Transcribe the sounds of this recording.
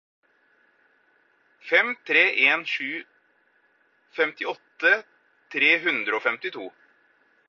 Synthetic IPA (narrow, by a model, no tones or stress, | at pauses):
fɛmt̪ʰɾeːʔeːnʂʉː | fɛmt̪ɪɔt̪ːə | t̪ʰɾeːɦʉnd̪ɾəoːfɛmt̪ɪt̪ʰuː